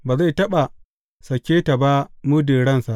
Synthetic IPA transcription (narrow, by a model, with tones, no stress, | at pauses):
baː˨za˦˨jtɐ˦ɓa˨ | sɐ˨kʲeː˦ta˨ba˦mʊ˦deː˨ɽɐ˦nsa˨ʔ